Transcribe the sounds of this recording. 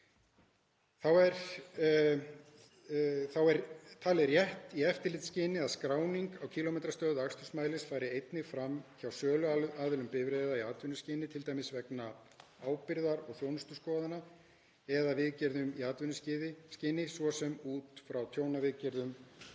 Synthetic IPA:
θawɛɾ | θawɛɾt̪ʰaːlɛɾjɛht̪iɛft̪ɪɾlɪt̪scɪːnɪaðskɾaːwniŋkawcʰiːlomejt̪ɾast̪œːðʏakst̪ʏsmaːjlɪsfaːjɾɪejt̪nɪfɾamçawsœːlʏaːðɪlʏmpɪvɾeːðaiaːt̪vʏnːʏscɪːnɪt̪ʰɪlt̪aːjmɪsvɛkna | aːwpɪɾðaɾɔɣθjownʏst̪ʏskɔːðana | ɛðavɪðcɛɾðʏmiaːt̪vʏnʏscɪðɪscɪːnɪsvɔsɛmuːt̪fɾawt̪ʰjoːwnavɪðcɛɾðʏm

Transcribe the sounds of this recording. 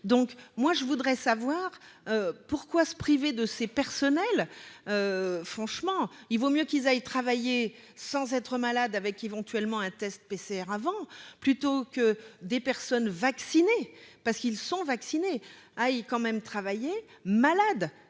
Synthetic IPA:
d̪ɔ̃kmwaʒəvud̪ʁɛsavwaːʁøpuʁkwasə̥pχived̪əsepɛʁsɔnɛløfχɑ̃ʃmɑ̃ilvomjøkilzajt̪χavaje | sɑ̃zɛt̪χəmalad̪avɛkevɑ̃t̪ɥɛlmɑ̃ɛ̃t̪ɛst̪̚peseɛʁavɑ̃plyt̪okəd̪epɛʁsɔnvaksinepaʁsə̥kilsɔ̃vaksine | ajkɑ̃mɛmt̪χavaje | malad̪

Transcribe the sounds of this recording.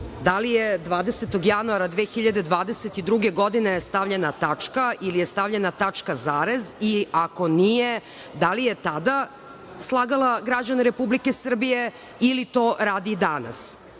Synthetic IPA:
d̪alijed̪ʋaːd̪eset̪oɡjanuaɾad̪ʋeːxiʎad̪e̞d̪ʋaːd̪eset̪id̪ɾuɡe̞ɡo̞d̪inejest̪aʋʎenat̪at͡ʂkaʔilijest̪aʋʎenat̪at͡ʂkazaːɾeziako̞nije | d̪alijet̪ad̪a | slˠaːɡalaɡɾad͡ʑaneɾepublike̞sr̩bije̞ | ilit̪o̞ːɾaːd̪id̪ana̰s

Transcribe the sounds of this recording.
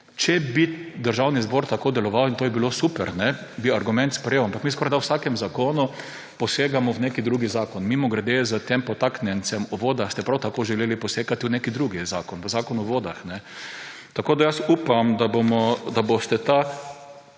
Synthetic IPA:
t͡ʃɛbid̪əɾʒawnizboːɾt̪akoːd̪ɛlɔʋawint̪oːjɛbilosupɛɾnɛbiaɾɡʊmɛ̃nt̪spɾɛjewampakmis̬kɔɾajd̪awsakɛmzakoːnu | pɔseːɡamɔwnekid̪ɾuːɡizaːkɔnmimɔɡɾɛd̪ezət̪empɔt̪aknjɛnt͡ssɛmuʋoːd̪axst̪ɛpɾawt̪akoːʒɛleːlipɔseːkat̪iwnekid̪ɾuɡizaːkɔnʋəzaːkɔnuʋoːd̪axnɛ | t̪akoːd̪ajasuːpamd̪abomɔd̪abost̪ɛt̪a

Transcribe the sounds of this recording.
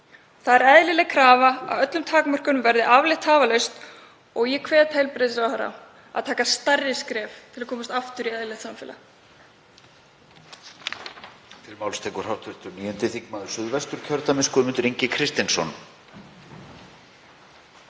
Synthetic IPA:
θaðɛɾɛðlɪlɛkʰɾaːvaa̰ðœt̪lʏmt̪ʰaːkmœr̥kʏnʏmvɛɾðɪʔavlɪht̪haːvalœɥst̪ | ɔɣjɛkʰvɛːt̪hejlpɾɪðɪsaaɾa̰ | a̰ðt̪ʰaːkast̪arːɪskɾɛːft̪ʰɪlakʰɔːmast̪aft̪ʏɾiɛðlɛht̪samfɪːla̰ | fɪɾmawlst̪ʰɛːkʏɾ̥hawht̪ʰvɪht̪ʏniːjɔnt̪ɪθikmaðʏ̥sʏðvɛst̪ʏɾ̥cʰœɾt̪amɪskʏðmʏnt̪ʏɾiɲcɪkʰɾɪst̪insɔn

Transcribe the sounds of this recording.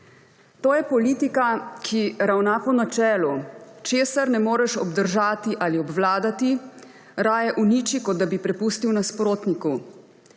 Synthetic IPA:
t̪oːjɛpɔliːt̪ikakʰiɾawnapɔnat͡ʃɛːlut͡ʃeːsaɾnɛmoːɾɛʃɔbd̪əɾʒaːt̪iʔaːliɔbʋlaːd̪at̪i | ɾaːjɛʔuniːt͡ʃikɔd̪̚d̪abipɾɛpust̪iwnaspɾoːt̪niku

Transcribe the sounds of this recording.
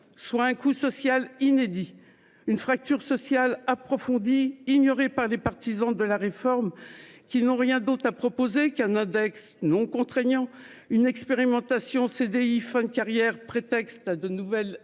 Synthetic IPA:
swaɛ̃kusɔsjalined̪i | ynfχak̚t̪yʁsɔsjalapχɔfɔ̃d̪iːɲɔʁepaʁlepaʁt̪izɑ̃d̪əlaʁefɔʁmkʲinɔ̃ʁjɛ̃d̪ot̪χapχɔpozekɛ̃nɛ̃d̪ɛks | nɔ̃kɔ̃t̪χɛɲɑ̃ | ynɛkspeʁimɑ̃t̪asjɔ̃sed̪eifɛ̃d̪kaʁjɛʁpχet̪ɛkst̪ad̪ənuvɛl

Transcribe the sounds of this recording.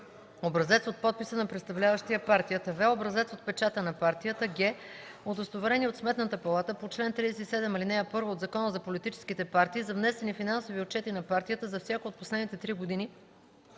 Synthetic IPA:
obɾɐzɛt̪sot̪̚pɔt̪̚pisənɐpɾɛt̪st̪ɐvlʲavəʃt̪ijəpaɾt̪ijət̪əvɛobɾɐzɛt̪sot̪̚pɛt͡ʃat̪ənɐpaɾt̪ijət̪əɡʲɛ | ot̪ost̪ovɐɾɛniot̪smɛt̪nət̪əpɐlˠat̪əpot͡ʃlɛnt̪ɾid̪sɛt̪isɛd̪ɛmilinɛjəpɤɾvoːd̪zɐkɔnəzɐpolit̪it͡ʃɛ̥skit̪ɛpaɾt̪iːzɐvnɛsɛnifinansoviot̪̚t͡ʃɛt̪inɐpaɾt̪ijət̪əzɐfsʲjakoot̪̚poslɛd̪nit̪ɛt̪ɾiɡod̪ini

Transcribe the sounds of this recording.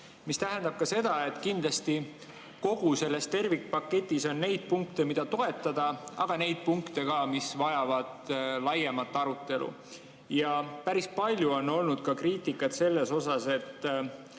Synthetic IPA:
mist̪æɦend̪ɑb̥̚kɑse̞d̪̥ɑe̞t̪ːˑkind̪̥lɑst̪i | ko̞ɡ̥use̞lːe̞st̪e̞rvikːpɑkːe̞t̪ʲːˑiso̞nːe̞jd̪̥̚puŋkt̪e̞mid̪̥ɑt̪o̞e̞t̪ˑːɑd̪̥ɑɑɡ̥ɑne̞jd̪̥̚puŋkt̪e̞ɡ̥ɑmisvɑjɑvɑd̪̥lɑjemɑt̪ːˑɑɾut̪ːˑe̞lṵ | jɑpæɾispɑlʲjuo̞nːo̞lnud̪̥kɑkriːt̪ikːˑɑt̪se̞lːe̞so̞sɑse̞t̪ˑː

